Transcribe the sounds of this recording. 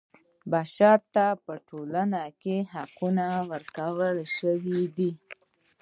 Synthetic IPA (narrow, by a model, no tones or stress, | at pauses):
baʃɑɾt̪apəʈolanakeɦaqunawəɾkawəlʃəwid̪i